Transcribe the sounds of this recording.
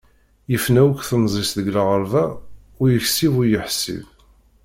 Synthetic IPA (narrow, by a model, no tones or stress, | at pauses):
jəfnæwəkʷθənzˤisðəɡləʁəɾvæ | ʊɾjəçsivʊɾjəħsḭv